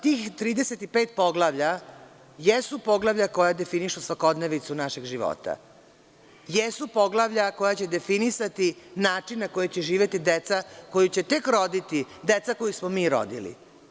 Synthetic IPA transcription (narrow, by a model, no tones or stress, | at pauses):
t̪iːxt̪ɾiːd̪eset̪ipeːt̪po̞ɡlaʋʎa | jesupo̞ɡlaʋʎako̞jad̪e̞finiʃusʋako̞d̪neʋit̪sunaʃeɡʒiʋo̰t̪a̰ | jesupo̞ɡlˠaʋʎako̞jat͡ɕe̞d̪e̞finisat̪inaːt͡ʃinnako̞jet͡ɕeʒiːʋʲje̞t̪id̪et̪sako̞jut͡ɕe̞t̪e̞kɾo̞d̪it̪id̪et̪sako̞jismomiːɾo̰d̪ḭlḭ